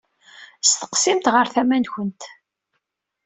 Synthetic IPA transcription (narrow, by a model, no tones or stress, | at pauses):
st̪ə̥qsimt̪ʁəɾθæmænçənt̪